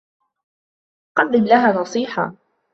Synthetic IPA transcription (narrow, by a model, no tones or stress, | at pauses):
qɑd̪ːɪmlaɦaːnɑsˤiːħa̰